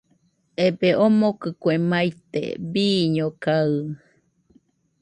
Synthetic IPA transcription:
ebeʔomokɯkwemajt̪ḛbiːɲokaɨ

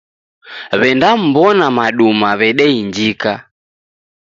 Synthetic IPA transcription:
βɛndam̩bɔnamaɗumaβɛɗɛiɲd͡ʒika

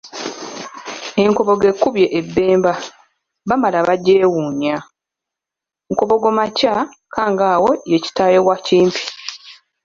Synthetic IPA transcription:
e̞ŋko̞βo̞ɡe̞kːuβje̞ʔebːe̞ːmba | βamalaβaɟːeːwuːɲa | ŋko̞βo̞ɡomaca | kʰaːŋɡaːwo̞jeci̥taːjeɣwaciːmpi̥

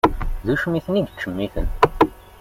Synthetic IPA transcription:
ðuʃmiθənid̪t͡ʃːəmːiθə̰n

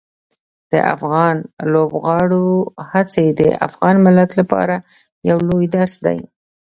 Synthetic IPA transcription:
d̪̥ə̰ʔa̰fɣɑnlobɣɑɽohat͡sed̪ə̰a̰fɣɑnmɪlat̪lapɑ̰ɾa | jawlojd̪aɾsd̪a̰j

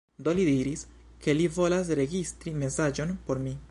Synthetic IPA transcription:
d̪o̞lidiɾis | ke̞livo̞las̬ɾe̞ɡistɾime̞sad͡ʒo̞npo̞ɾmi

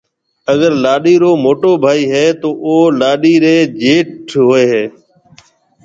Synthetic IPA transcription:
əɡəɾlaːɗiːɾoːmoːʈoːbʱaːiːɦeːt̪oːʔoːlaːɗiːɾeːd͡ʒeːʈʰɦoːeːɦeː

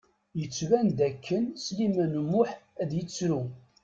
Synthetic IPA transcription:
jət͡sːvænd̪ækːənslimænmːʊħæðjət͡sːɾu

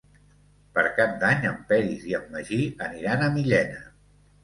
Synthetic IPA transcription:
pəɾkap̚d̪aɲəmpɛɾiziəmːəʒiəniɾanəmiʎɛnə

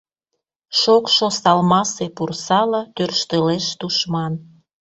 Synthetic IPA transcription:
ʃokʃosɑlmɑsepursɑlət̪ørʃt̪əleʃt̪uʃmɑn

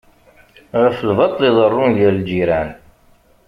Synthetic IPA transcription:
ʁəflvɑt̪ˤliðˤərˤːʊnʝælld͡ʒiɾæn

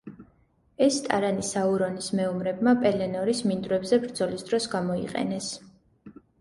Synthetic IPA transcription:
ɛst̪ʼa̰ɾanisauɾɔnismɛumɾɛbmapʼɛlɛnɔɾismind̪ɾɛbzɛbɾd̪zɔlisd̪ɾɔsɡamɔḭqʼɛ̰nɛs

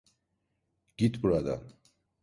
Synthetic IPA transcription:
ɡ̥it̪puɾad̪a̰

